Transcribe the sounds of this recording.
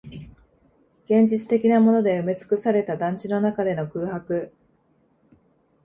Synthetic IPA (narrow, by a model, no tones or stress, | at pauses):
ɡ̥ẽ̞ɲ̟d͡ʑit͡sɨ̥t̪e̞kʲinamo̞no̞d̪e̞ɯ̟me̞t͡sɨ̥kɯ̟saɾe̞t̪ad̪ãɲ̟t͡ɕino̞nakad̪e̞no̞kɯ̟ːhakɯ̟